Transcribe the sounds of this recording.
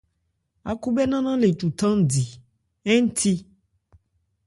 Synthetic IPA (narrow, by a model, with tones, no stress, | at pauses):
a̰˨ku˦bɛ˦nã˦nã˦le˨t̪u˨t̪ã˦m˦di˨ | ɛ˦ŋ˦t̪ʰi˦